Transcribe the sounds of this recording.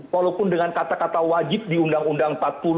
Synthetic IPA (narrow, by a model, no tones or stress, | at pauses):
walapʊndəŋankat̪akat̪awad͡ʒɪp̚diundaŋundaŋpat̪̚pul